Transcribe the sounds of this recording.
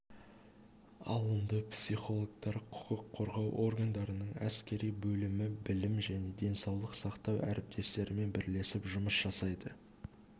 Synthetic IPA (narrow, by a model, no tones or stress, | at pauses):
ɑ̰lˠənd̪əpsʲiχo̞lˠok̚t̪ɑɾqʰʊ̥qəqʰːo̞ɾʁɑwʔo̞rɡand̪ɑɾənəɴæ̰skʲe̞ɾijbɵlɪmɪbɪlɪmʒæne̞d̪e̞nsɑwlˠəqsɑqt̪ɑwʔæ̰ɾɪp̚t̪ʰe̞st̪e̞ɾɪme̞nbɪɾle̞sɪpʒʊməsʒ̥ɑsɑjd̪ə